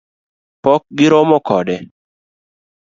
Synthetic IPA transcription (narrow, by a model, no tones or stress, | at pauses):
pɔk̚ɡɪɾɔmɔkɔdɛ